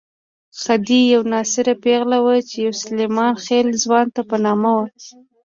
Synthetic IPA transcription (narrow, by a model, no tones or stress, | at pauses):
xad̪ijawnɑsɪɾapeɣlawət͡ʃejawsʊlemɑnxelzwɑnt̪apənɑmawə